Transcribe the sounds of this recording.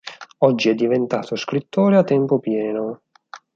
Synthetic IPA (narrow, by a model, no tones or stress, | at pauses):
ɔd͡ʒːiɛd̪ːivent̪aːt̪oskɾit̪ːoːɾeat̪ːɛmpʊpjɛːno